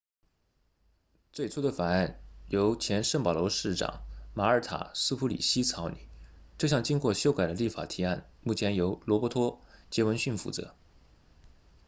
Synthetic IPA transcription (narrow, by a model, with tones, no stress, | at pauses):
t͡swe˥˩ɪt͡sʰu˥d̪ə˨fa˨˩na˥˩njo˧˥ʊt͡ɕʰjɛ˧˥nʂə˥˩ŋpɑ˨˩lɔ˧˥ʂɻ̩˥˩ʈ͡ʂɑ̰˨˩˦ŋma˧˥ə˞˧˥t̪ʰa̰˨˩sɹ̩˥pʰu˧˥lḭ˨˩ɕi˥t͡sʰɑ˧˥ʊnḭ˨˩˦ʈ͡ʂɤ˥˧ɕjɑ˥˩ŋt͡ɕi˥ŋkwɔ˥˧˩ɕjo˥ʊka˨˩ɪd̪ə˦li˥˩fa̰˨˩t̪ʰi˧˥a˥˩nmu˥˩t͡ɕʰjɛ˧˥njo˧˥ʊlwɔ˧˥pwɔ˧˥t̪ʰwɔ˥t͡ɕjɛ˧˥wə˧˥nɕy˥˩nfṵ˥˩t͡sɤ̰˧˥